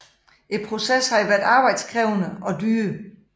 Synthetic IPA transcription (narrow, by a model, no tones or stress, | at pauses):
ʔe̝d̥̚pʰʁo̝seshɑ̈iʋæɐd̥ɑ̈ːb̥ɑ̈ɪd̥skʰʁɛʊnəɒ̽d̥yː